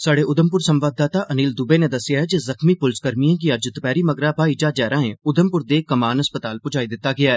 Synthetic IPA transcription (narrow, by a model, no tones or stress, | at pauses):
saːɽeːʊd̪əmpʊɾsə̃mʋaːd̪aːt̪aːʔəniːld̪ʊbeːned̪əsːɪjaːɦɛd͡ʒɪzəxmiːpʊlskəɾmijãːk̬iəd͡ʒt̪əpɛːɾiːməɡɾaːbʱaːid͡ʒaːd͡ʒɛːɾãːẽʊd̪əmpʊɾd̪eːkəmaːnəspət̪aːlpʊd͡ʒaːid̪ɪt̪ːaːɡɪaːɛː